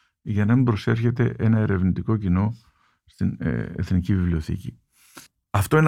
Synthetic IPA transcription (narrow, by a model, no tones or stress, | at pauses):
ʝɐnɐmibɾo̞se̞ɾçe̞t̪e̞ʔe̞nɐe̞ɾe̞vnit̪iko̞cino̞ | st̪inḛθnicivivlio̞θḭci | ɐft̪o̞in